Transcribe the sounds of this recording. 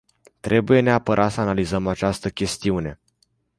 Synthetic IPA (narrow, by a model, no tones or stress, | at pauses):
t̪ɾe̞buje̞ne̞apəɾʔat̪səanalizəmat͡ʃast̪əkʲe̞st̪iune̞